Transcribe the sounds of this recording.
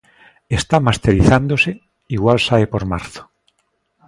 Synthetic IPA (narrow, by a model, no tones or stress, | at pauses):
est̪amast̪eɾiθand̪ose | iɣwalsaepoɾma̰ɾθo̥